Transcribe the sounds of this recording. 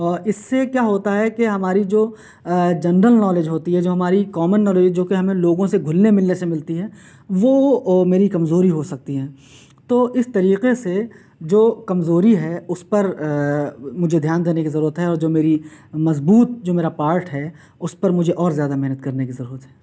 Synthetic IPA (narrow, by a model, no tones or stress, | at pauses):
ɔːɾɪsːekjaːɦoːt̪aɦɛkeɦɐmaːɾid͡ʒoː | d͡ʒɐɳɖəlnɔːleːd͡ʒɦoːt̪iɦɛd͡ʒoːɦɐmaːɾikɔːmənːɔːleːd͡ʒd͡ʒoːkeɦɐmẽloːɡõseɡʱʊlnemɪlnesemɪlt̪iɦɛː | ʋomeːɾikɐmzoːɾiɦosɐk̚t̪iɦɛ̃ː | t̪oːɪst̪ɐɾiːqese | d͡ʒoːkɐmzoːɾiɦɛʊspɐɾ | mʊd͡ʒʱed̪ʱjaːnd̪eːnekizɐɾuːɾət̪ɦɛɔːɾd͡ʒoːmeːɾimɐzbuːt̪̚d͡ʒoːmeːɾapaːɾʈɦɛː | ʊspɐɾmʊd͡ʒʱeʔɔːɾzjaːd̪amɛɦnət̪̚kɐɾnekizɐɾuːɾət̪ɦɛː